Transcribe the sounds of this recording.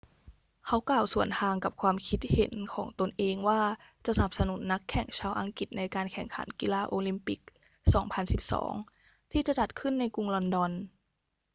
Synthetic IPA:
kʰa˦˥wklaː˨˩wsu˨˩˦ənt̪ʰaː˧ŋka˨˩p̚kʰwaː˧mkʰi˦˥t̪̚he˨˩˦nkʰɔ̰ː˩˦ŋt̪o˧nʔeː˧ŋwaː˥˩t͡ɕa˨˩sa˧na˨˩p̚sa˧nu˩˦nːa˦˥kʰːɛ˨˩ŋt͡ɕʰaː˧wʔa˧ŋki˨˩t̪̚na˧jkaː˧nkʰɛ˨˩ŋkʰa̰˩˦nki˧laː˧ʔoː˧li˧mpi˨˩k̚ | sɔ̰ː˩˦ŋpʰa˧nsi˨˩p̚sɔ̰ː˩˦ŋ | t̪ʰiː˥˩t͡ɕa˨˩t͡ɕa˨˩t̪̚kʰɯ˥˩nːa˧jku˧ŋlɔ˧ndɔ˧n

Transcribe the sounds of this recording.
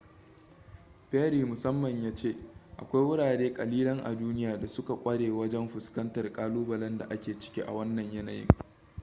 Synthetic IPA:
ɸeː˦ɽiː˨mʊ˨sɐ˦mːɐ˨ɲjaː˦t͡ʃeː˦ʔa̰˨kʷa˦jwʊ˦ɽaː˨ɽeː˦kʼɐ˨liː˦lɐ˦ŋʔa̰˨duː˦nɪ˦jaː˨da˨sʊ˦ka˨kʷʼɐ˦ɽeː˨wɐ˦d͡ʒɛ˦mɸʊ˨skɐ˦ntɐ˨rkʼaː˦luː˦bɐ˨lɐ˦nda˨ʔa˦kʲeː˨t͡ʃɪ̥˦kʲi˦ʔa̰˨wɐ˦nːɐ˨ɲjɐ˦na˨jɪ̰˦ŋ

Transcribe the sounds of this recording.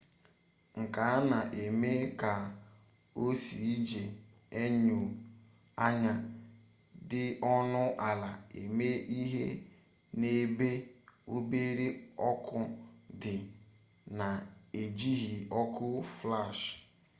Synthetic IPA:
ŋ̩˨ka˨˦a˦na˨ʔe˨me˦ka˨ | o˦si˨i˦d͡ʒe˨ | e˦ɲu˨ | a˦ɲa˦ | dɪ˦ɔ˦nʊ˦ʔa˨la˨e˨me˦ʔi˦ɦe˦ | ne˦be˦o˦be˦ɾe˦ɔ˦kʊ˦dɪ˨ | na˨e˨d͡ʒi˦ɦi˨ɔ˦kʊ˦fla˦˨ʃ

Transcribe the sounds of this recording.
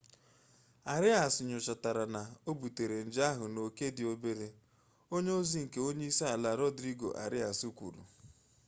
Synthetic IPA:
a˨ɾɪ˦a˨sʊ˨ɲʊ˨t͡ʃɔ˨ta˨ɾa˨na˨o˦bu˨te˨ɾe˨n̩˨d͡ʒa˦ɦʊ˨no˨ke˦dɪ˨o˦be˦ɾe˦ | o˦ɲe˦o˦zi˦ŋ̩˨ke˦o˦ɲe˦i˦se˦a˨la˨ɾɔ˦dɾi˦ɡo̰˨ʔa̰˨ɾɪ˦a˨su˦kʷṵ˨ɾṵ˨

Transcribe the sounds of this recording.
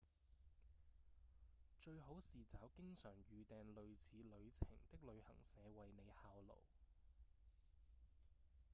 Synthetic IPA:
t͡ʃɵ˧ɥɦo˨˥wsiː˨t͡saː˨˥wkɪ˥ŋsœː˨˩ŋjyː˨˧t̪ɛː˨nlɵ˨˧ɥt͡sʰiː˨˧lɵ˨˧ɥt͡sʰɪ̰˨˩ŋt̪ɪ˥k̚lɵ˨˧ɥhɐ̰˨˩ŋsɛː˨˧wɐ˨jne˨˧jhaː˧wlo̰˨˩w

